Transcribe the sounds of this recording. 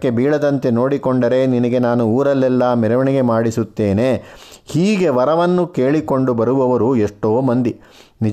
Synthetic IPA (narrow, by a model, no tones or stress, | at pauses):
kːe̞biːɭɐd̪ɐnt̪e̞no̞ːɽikoɳɖɐɾe̞ninɐɡe̞naːnuːɾɐlːɛlːɐmɛɾɐʋɐɳiɡe̞maːɽisut̪ːe̞ːne̞ːhiːɡe̞ʋɐɾɐʋɐnːukeːɭiko̞ɳɖubɐɾuʋɐʋɐɾueʂʈoːmɐnd̪i | nid͡ʒ